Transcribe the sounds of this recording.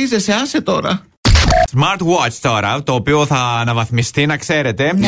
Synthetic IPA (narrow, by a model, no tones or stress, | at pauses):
izeseɐset̪o̞ɾɐ | zmɐɾt̪wot͡ʃt̪o̞ɾɐt̪o̞ːpio̞θɐːnɐvɐθmist̪inɐkse̞ɾe̞t̪e̞